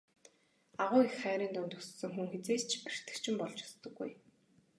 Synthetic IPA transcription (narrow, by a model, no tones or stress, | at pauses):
aʁʊːixχæːɾʲiːnt̪ʊnt̪u̥ssɵ̆ŋxuŋxet͡seːt͡ɕʰpir̥t̪ɘ̆kt͡ɕʰɪ̆mpɔɮt͡ɕʊ̥st̪ɞ̆ɡːuj